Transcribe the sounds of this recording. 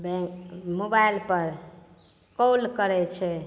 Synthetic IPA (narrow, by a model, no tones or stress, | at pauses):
bɛ̃mobajlpəɾ | kolkəɾɛt͡ʃʰɛ